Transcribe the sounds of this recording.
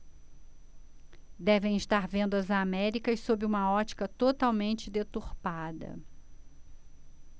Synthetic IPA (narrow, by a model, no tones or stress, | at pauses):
d̪ɛvẽj̃iʃt̪aɾvẽnd̪ɐzamɛɾikɐssobɪũmɐɔt͡ʃi̥kɐt̪ot̪awmẽnt͡ʃɪd̪et̪uɾpad̪ɐ̰